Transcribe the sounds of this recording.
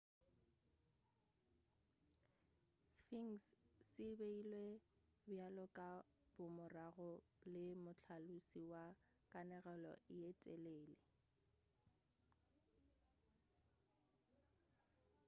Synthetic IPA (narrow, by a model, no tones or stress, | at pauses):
sfiŋssɪbeilwe | bjalɔkʼa | b̥ʊmʊraɣɔ | lɪmʊt͡ɬʰalusiwa | kʼanɛɣɛlɔ̰ʔɪɛtʼɛleːlɪ